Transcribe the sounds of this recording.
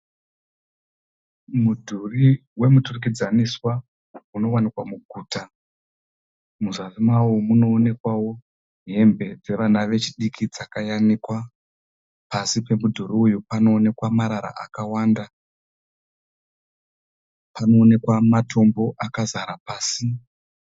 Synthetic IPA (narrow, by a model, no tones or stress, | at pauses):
mudʱuriwe̞muturuk̬id͡zaniswa | uno̞wanikwamuɡʱuːta | muzazimawumuno̞ːne̞kwawo̞ | ɦe̞mbe̞d͡ze̞ʋanaʋe̞t͡ʃiɗikʰid͡zakajanikwa | pasipe̞mudʱuɾiujupano̞ːne̞kwamaɾaɾa̰ʔakawaːnda | pano̞ːne̞kwamatʰo̞mbo̞ʔakazaɾapaːsi